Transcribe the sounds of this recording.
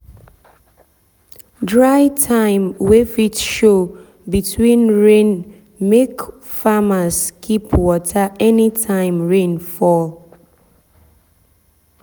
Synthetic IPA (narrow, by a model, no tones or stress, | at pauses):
dɹaɪtʰãɪ̃mwefitʃo | bitʰwĩnɹẽn | mek | famaskʰipʰwɔtʰaɛnitʰãɪ̃mɹẽnfɔl